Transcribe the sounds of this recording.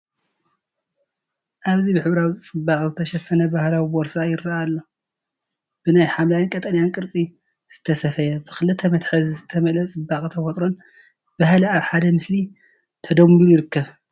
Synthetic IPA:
ʔaβzibɨħɨβɾawit͡sʼɨbːakʼzɨt̪ʰɐʃɐfɐnɐbahlawiboɾsajɪɾːaalːo̞ | b̥ɨnajħamlajnkʼɐt̪ʼɐnjankʼɨɾt͡sʼi | z̥ɨ̥t̪ʰɐsɐfɐjɐbɨxɨlɨt̪ʰːɐmɐt̪ħɨzzɨt̪ʰɐmɐlɐt͡sʼɨbːakʼit̪ʰɐfot̪ʼɾo̞n | b̥ahlaβħad̪ɐmɨsli | t̪ʰɐd̪ɐmlujɪɾɨkːɐβ

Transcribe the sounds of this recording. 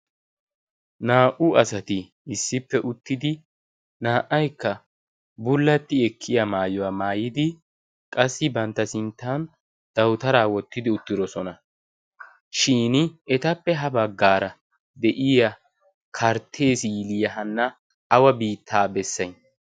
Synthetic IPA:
naːʔʊɐsɐt̪ɪː | sːɪpːɛʔʊt̪ːɪd̪ɪ | naːʔɐjkːɐ | bʊlːɐt̪ːɪɛkʰːɪjɐmaːjɔwaːmaːjɪd̪ɪ | kʼɐsːɪbɐnt̪ːɐsɪnt̪ːaːn | d̪̥ɐwt̪ɐɾaːwɔt̪ːɪd̪ɪʊt̪ːɪd̪ɔsɔnɐ | ʃiːnɛt̪ɐpːɛɦɐbɐɡːaːɾɐ | d̪ɛʔɪjɐ | kʰɐɾt̪ʰːe̞ːsiɪlijɐɦɐnːɐː | wɐbiːt̪ʰːaːbɛsːɐjn

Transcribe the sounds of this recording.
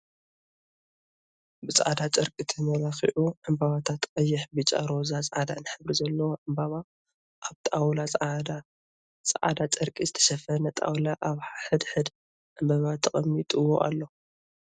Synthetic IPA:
bɨt͡sʼa̰d̪at͡ʃʼɐɾkʼit̪ʰɨmɐlaxḭʕʔuʕɨmbaβat̪ʰat̪qʼɐjːɪħbɨt͡ʃʼa̰ɾo̞zat͡sʼʔad̪anɨħɨβɾizɐlːɐwoʕɨmbaβa | ʔaβt̪ʼawlat͡sʼd̪a | t͡sʼɐʕa̰d̪at͡ʃʼɐɾkʼizɨt̪ʰɐ̥ʃɐfɐnɐt̪ʼa̰wlaʔaβħħɨd̪ħɨd̪ | ʕɨmbaβat̪ʰːɐχʼɐmːit̪ʼɨwo̰ʔa̰lːo

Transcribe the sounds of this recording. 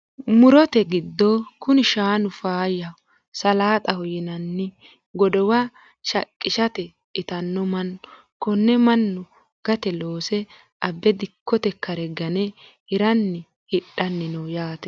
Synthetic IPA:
mʊɾɔt̪ɛɡɪd̪ːokʊnɪʃaːnʊfaːjɐ | sɐlaːt̪ʼɐhɔjɪnɐnːɪ | ɡɔd̪ɔwa | ʃɐkʼːɪʃɐt̪ɛ | ɪt̪ɐnːɔmɐnːʊ | kɔnːɛmɐnːʊ | ɡ̥ɐt̪ɛloːsɛ | ɐbːɛd̪ɪkʰːɔt̪ɛkːɐɾɛɡɐnɛhɪɾɐnːɪ | hɪɗːɐnːɪnɔwjaːt̪ɛ̥

